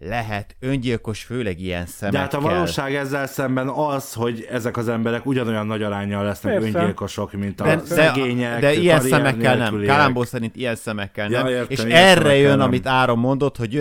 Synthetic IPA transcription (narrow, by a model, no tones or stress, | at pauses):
lɛɦɛt̪øɲɟilko̞ʃføːlɛɡijɛ̰nsɛmd̪ɛɛat̪ɒvɒloːʃaːɡɛzːɛlsɛmbɛnɒzho̞ɟɛzɛkɒzɛmbɛɾɛkuɟɒno̞jɒnːɒɟɒɾaːɲːɒlːɛsnɛkøɲilkoʃokmint̪ɒɛd̪ɛɡeːɲɛd̪ɛijɛnsɛmɛkːɛlɛmlkːalamboːsɛɾint̪ijɛnsɛmɛkːɛlnɛmeːʃɛrːɛjønɒmit̪aːɾo̞mːo̞nd̪o̞t̪ho̞ɟø